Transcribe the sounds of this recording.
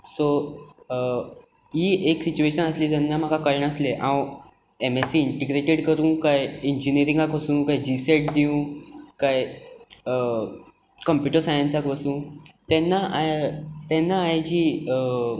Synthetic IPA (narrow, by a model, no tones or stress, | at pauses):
so | ɦieksit͡ɕueɕənəsliːd͡zanːam̤akakəɾɳəsleʔãw | emesiːiɳʈeɡɾeʈeɽkəɾũːkajiɲd͡ʑiniəɾĩŋɡakʋəsũːkajd͡ʑiseʈ̚d̪iũkaj | kəmpjuʈəɾsajənsakʋəsũːt̪ɛnːaʔat̪ɛnːaːjd͡ʑiː